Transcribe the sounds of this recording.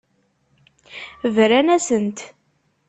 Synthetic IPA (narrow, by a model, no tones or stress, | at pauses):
vɾænæsənt̪